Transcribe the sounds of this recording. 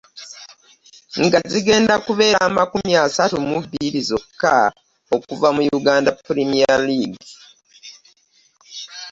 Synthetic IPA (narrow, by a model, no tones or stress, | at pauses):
ŋɡaziɡe̞ːndakuβe̞ːɾaːmakumiasatumuβiɾizo̞kːa | okuvamujuɡaːndapːuɾemialiːɡi